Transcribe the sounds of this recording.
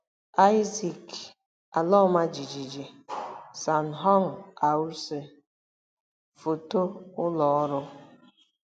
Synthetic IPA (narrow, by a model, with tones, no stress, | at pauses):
a˦jzi˨k | a˨lɔ˦ma˦d͡ʒi˨d͡ʒi˨d͡ʒi˨sa˨n̩˨ɦɔ˦ŋ̩˨a˨u˦ɾse˨ | fo˨to˦ʊ˦lɔ˨ɔ˦ɾʊ˦